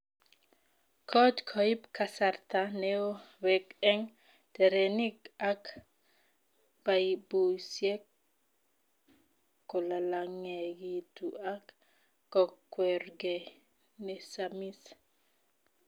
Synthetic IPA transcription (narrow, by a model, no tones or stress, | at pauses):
kʰɔdkʰɔipkʰasart̪anɛowɛkɛŋ | tɛɾenikak | baibusjek | kːolalaŋeɡit̪uakː | ɔkːwɛrɡɛ | nesamis